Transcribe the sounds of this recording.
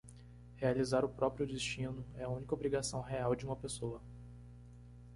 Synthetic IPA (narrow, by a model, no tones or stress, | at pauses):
healizaɾʊpɾɔpɾijʊd͡ʒest͡ʃĩnʊɛɐũnikobɾiɡasɐ̃w̃ɦeawd͡ʒɪũmɐpesoɐ